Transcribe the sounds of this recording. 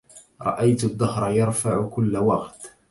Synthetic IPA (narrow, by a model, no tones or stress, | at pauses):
ɾˤɑ̰ʔajt̪ʊd̪ːɑhɾˤɑjɑɾˤfaʕʊkʊlːawɑqt̪